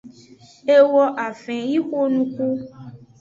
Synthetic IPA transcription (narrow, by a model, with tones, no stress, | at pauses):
e˦wɔ˦ʔa˨fɛ̃˨ji˦xo˦nũ˦ku˦